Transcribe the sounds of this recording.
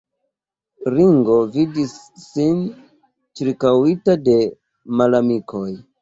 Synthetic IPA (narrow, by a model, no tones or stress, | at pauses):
ɾiŋɡo̞vidisː | in | t͡ʃiɾkawitade̞ | malamikʰo̞j